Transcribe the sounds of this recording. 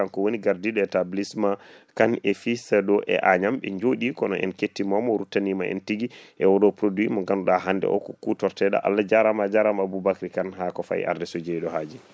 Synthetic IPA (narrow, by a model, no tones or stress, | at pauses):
ankɔwoniɡaɾdiɗɔɛtablismakanefisɛɗɔʔɛ̰ʔaɲamɓɛ̰ɲd͡ʒoɗikɔnɔʔɛ̰nketːimamɔɾutːanimaʔɛ̰ntiɡiʔɛwɔɗɔpɾodwimaɡanɗaɦandɛ̰ʔɔ̰kɔkutɔɾtɛɗa̰ʔa̰lːad͡ʒaɾamad͡ʒaɾamabubakɾikanɦakɔfa̰ḭʔa̰ɾdɛsod͡ʒeɗɔɦad͡ʒi